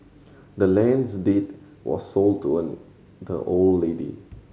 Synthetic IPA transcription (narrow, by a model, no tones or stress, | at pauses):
dəlɛ̃nsdet̚ | wɔ̰sːoltʰuə̃n | də̰ʔoldledḭ